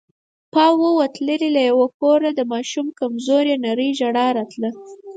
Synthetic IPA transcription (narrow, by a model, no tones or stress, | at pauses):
pɑwəwat̪ləɾilajawokoɾad̪əmɑʃumkamzoɾjenaɾəjʒaɽɑɾɑt̪lə